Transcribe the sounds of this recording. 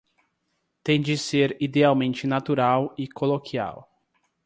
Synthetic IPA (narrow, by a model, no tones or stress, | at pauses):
t̪ẽj̃d͡ʒɪseɾid̪eawmẽnt͡ʃɪnat̪uɾawɪkolokʰia̰w